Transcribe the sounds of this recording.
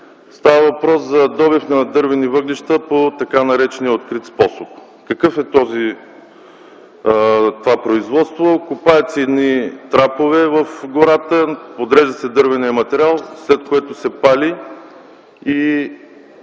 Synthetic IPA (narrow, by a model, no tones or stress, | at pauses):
st̪avəvɐpɾɔszɐd̪ɔbifnɐd̪ɤɾvɛnivɤɡliʃt̪əpot̪ɐkanɐɾɛt͡ʃɛniəot̪̚kɾit̪spɔsop | kəkɤfɛt̪ɔzi | t̪ovapɾoizvɔt̪st̪vokʊpaɛt̪sɛɛd̪nit̪ɾapovɛvəfɡʊɾat̪əpod̪ɾɛʒd̪əsɛd̪ɤɾvɛniɐmɐt̪ɛɾʲalˠslɛt̪koɛt̪ʊsɛpali | i